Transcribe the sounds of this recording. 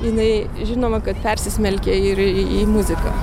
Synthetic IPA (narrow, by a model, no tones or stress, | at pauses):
jɪnɐɪ | ʒʲɪnoːmɐkɐt̪pʲɛɾʲsʲɪsʲmʲɛlʲkʲeɪɾiimʊzʲɪkɑ̰